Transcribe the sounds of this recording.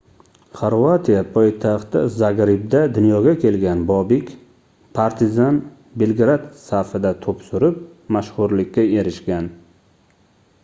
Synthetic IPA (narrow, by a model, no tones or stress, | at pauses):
χoɾvat̪ʰijapʰɒjt̪ʰaχt̪ɪ̰zaɡɾɪbd̪ad̪ʊnjɒɡʲakʲʰe̞lɡʲanbɒbɪkʲ | pʰaɾt̪ʰɪzan | belˠɡɾat̪saɾfɪd̪at̪ʰopsʊɾɪp | maʃχʊɾlɪkʲʰːae̞ɾɪʃɡʲan